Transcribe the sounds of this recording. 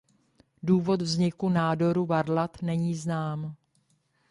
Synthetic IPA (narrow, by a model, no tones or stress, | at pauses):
duːvo̞t̪vzɲɪkunaːdo̞ɾuvaɾlat̪nɛɲiːznaːm